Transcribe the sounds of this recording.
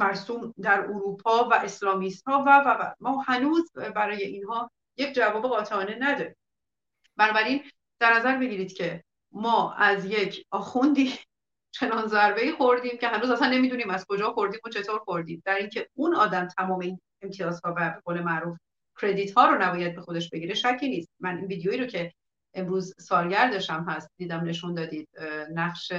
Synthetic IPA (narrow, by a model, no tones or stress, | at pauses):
mæɾsuːmd̪æɾoɾuːpʰɒːvæʔe̞slɒːmist̪hɒːvævævæ̰mɒːhænuːzbæɾɒːje̞ʔinhɒː | je̞c̚ʰd͡ʒævɒːbe̞ɣɒːt̪ʰeɒːne̞næd̪ɒːɾiːm | bænɒːbæɾin | d̪̥æɾnæzæɾbe̞ɟiːɾiːd̪cʰe̞ | mɒːæzje̞cʰɒːxund̪iː | t͡ʃʰe̞nɒːnzæɾbe̞iːxoɾd̪iːmcʰe̞ɦænɾuːzæsænːe̞miːd̪uniːmæz̥kʰo̞d͡ʒɒːxo̞ɾd̪iːmot͡ʃʰe̞t̪ʰoːɾxo̞ɾd̪iːmd̪æɾiŋcʰe̞unɒːd̪æmt̪ʰæmɒːmein | e̞mt̪ʰijɒːzhɒːvæɡole̞mæʔɾuːf | cʰɾe̞d̪iːt̪hɒːɾonæbɒːjæd̪̚bexo̞d̪e̞ʃb̥e̞ɟiːɾe̞ʃæcʰːiːniːst̪̚mænʔinviːd̪ejoiːɾocʰe̞ | ʔemɾuːzsɒːlɟæɾd̪ɒʃæmɦæst̪̚d̪iːd̪æmne̞ʃund̪ɒːd̪iːd̪̥̚næχʃe